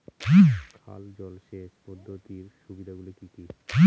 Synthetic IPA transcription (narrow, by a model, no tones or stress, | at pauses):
kʰa̰ld͡ʑɔlʃeʃpɔd̪ʱːot̪iɾʃubid̪ʱaɡulikiki